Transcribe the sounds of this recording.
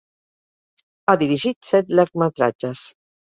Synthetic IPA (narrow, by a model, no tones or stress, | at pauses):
aðiɾiʒit̪sɛt̪lɛɾk̚mət̪ɾa̰d͡ʒəs